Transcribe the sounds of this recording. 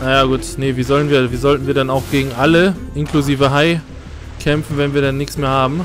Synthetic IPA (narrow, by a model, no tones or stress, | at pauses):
najaːɡuːtnəviːzɔlənviːɐviːzɔltn̩viːɐɾɛnaʊxɡ̥eːɡŋ̩ʔaləʔɪnkluziːvəɦaɪ | kʰɛmfn̩vɛnviːɐdɛnːɪçsmeːɐhaːbm̩